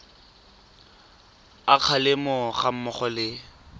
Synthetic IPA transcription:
aq͡χʰalɪmʊχam̩mʊχɔlɪ

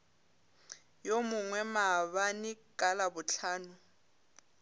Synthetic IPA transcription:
jomʊŋwɛmaβanɪkʼalabʊt͡ɬʰaːnʊ

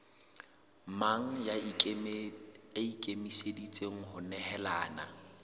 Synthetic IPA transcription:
maŋ̩ja | aikʼemisedit͡sʼeŋ̩hʊnɛhɛlaːna̰

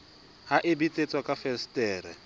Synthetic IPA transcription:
haʔɪbit͡sʼet͡sʼwakʼafɛstʼɛːɾɛ

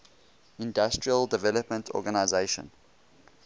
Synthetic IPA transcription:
ɪ̃ndastɹiəldɛvɛləpmə̃ntʰɔ̰ɡanaɪzeɪʃə̰̃n

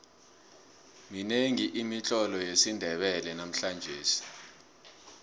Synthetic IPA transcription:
mineŋiʔimit͡ɬʼɔlɔjesindʱɛɓɛlɛnam̩ɬand͡ʒʱeːsi̥

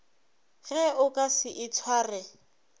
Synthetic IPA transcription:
ɣɛʊkʼasɪʔɪt͡sʰwaːrɛ

